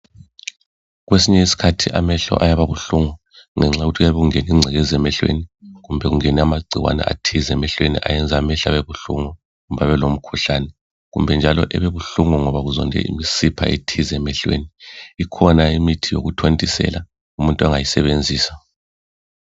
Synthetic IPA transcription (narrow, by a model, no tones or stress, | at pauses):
ɣwesiɲɛisi̥kʰatʰiʔamɛɬɔ̰ʔajaβaβuɬuŋɔ | ŋɛŋ͡ǁaɣutʰɣujaβeɣuŋeniŋ͡ǀʱɛɣɛzɛmɛɬwḛniɣumbʱɛɣuŋeniamaɡ͡ǀʱiwa̰nɛ̰ʔa̰tʰizɛmɛɬwenḭʔa̰jɛnd͡zʱamɛɬaβɛβuɬṵŋɔ | ɣumbʱaβɛlom̩kʰuɬanɛ | ɣumbʱɛnd͡ʒʱalɔ̰ʔɛβeβuɬuŋɔŋɔβaɣuzɔ̰ndʱɛ̰ḭmisipʰa̰ʔetʰizɛmɛɬwḛniikʰɔnaimitʰijo̰ɣutʰontʼisɛ̰la | umuntʼuaŋajisɛβend͡zʱiːsa